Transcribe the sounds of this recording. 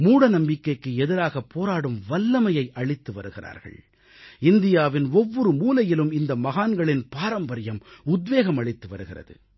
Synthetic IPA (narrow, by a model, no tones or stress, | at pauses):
muːɽɐnɐmbɪkːɐɪkːɯɛðɪɾaːɣɐpːoːɾaːɽɯmʋɐlːɐmɐjɐɪʔɐɭɪt̪ːɯʋɐ̰ɾɯɣɪra̰ːɾɣɐ̰ɭ | ɪnd̪ɪjaːʋɪnɔʋːɔɾɯmuːlɐjɪlɯmɪnd̪ɐmɐɣaːnɡɐɭɪnpaːɾɐmbɐɾɪjɐmʊd̪ʋeːɣɐmɐɭɪt̪ːɯʋɐ̰ɾɯɣɪrɐ̰ðɯ̰